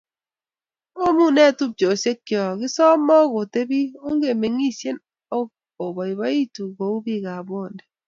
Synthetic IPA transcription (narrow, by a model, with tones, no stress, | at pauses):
o˦mu˦nɛ˦˨tu˦p̚t͡ʃo˨se˦kːjɔ˨ki˦sɔ˦mɔ˦ɡo˨te˦bi˦o˦ŋ˦ɡe˨me˨ŋi˦˨sje˦n | o˦ | o˨bɔ˨i˨ba˦i˦tu˨ɡo˨u˦bi˦˨ka˨bo˦˨ndɛ˨